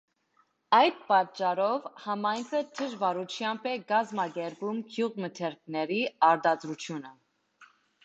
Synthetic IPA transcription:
ɑjd̪̚pɑtt͡ʃːɑɾɔvhɑmɑjŋkʰət̪ʰəʒvɑɾut͡ʃʰjɑmbɛɡɑzmɑɡɛɾbumkʰjuʁmət̪ʰɛɾk̚ʰnɛɾiɑɾd̪ɑd̪ɾut͡ʃʰjunə

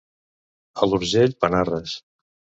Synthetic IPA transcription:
əluɾʒeʎpənarəs

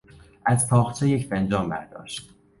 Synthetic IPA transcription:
ʔæzpʰɒːxt͡ʃʰejecʰbænd͡ʒɒːmbæ̰ɾd̪ɒ̰ːʃt̪

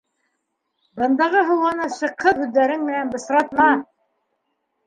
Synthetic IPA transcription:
bɤ̆nd̪ɑʁɤɦɤ̆wɑnɤʃɤ̆qːɤhʉðːæɾɘŋmɘ̆nænbɤ̆sɾɑt̪mɑ

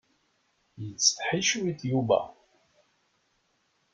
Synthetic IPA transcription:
jət͡sːθħiʃuwiθjuvæ̰

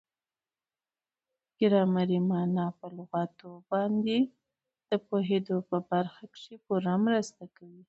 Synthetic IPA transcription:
ɡ̥ɪɾɑmaɾimɑnɑpəlʊɣɑt̪obɑnd̪e | d̪̥əpoɦed̪opəbaɾxakʂepuɾamɾəst̪akawi

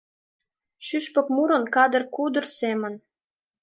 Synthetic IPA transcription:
ʃyʃpə̆kmuɾə̆nkɑd̪ə̆rkud̪ə̆rsemən

